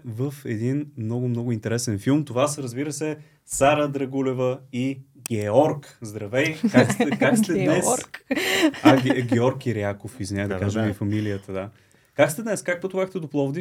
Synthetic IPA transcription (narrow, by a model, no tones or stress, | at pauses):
vəfɛd̪inmnɔɡʊmnɔɡʊint̪ɛɾɛsɛnfilˠmt̪ovasɾəzbiɾəsɛ | saɾəd̪ɾɐɡulɛvəiɡʲɛɔɾkzd̪ɾɐvɛjkakst̪ɛkakst̪ɛd̪nɛs | aɡɡʲɛɔɾkiɾiakofizvinʲad̪ɐkaʒəmifɐmilijət̪əd̪a | kakst̪ɛd̪nɛskak̚pot̪ʊvaxt̪ɛd̪oplˠɔvd̪i